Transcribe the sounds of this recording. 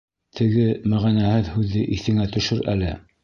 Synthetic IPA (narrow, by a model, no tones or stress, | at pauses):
t̪ʰɘ̆ɡɘmæʁænæhɘðhʉðːɘʔiθɘ̆ŋæt̪ɵ̆ʃɵɾæ̰lɘ̰